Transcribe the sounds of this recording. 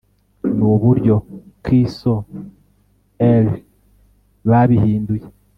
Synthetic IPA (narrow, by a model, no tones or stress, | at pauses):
nuβuɾjo̞kɾisto | el | βaβihiːnduje